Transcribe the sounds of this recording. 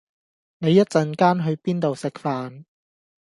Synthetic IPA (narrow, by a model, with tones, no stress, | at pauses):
ne˨˧jːɐ˥t̚t͡sɐ˨nkaː˥nɦɵ˨˧ɥpiː˥nt̪o˨wsɪ˨k̚faː˨n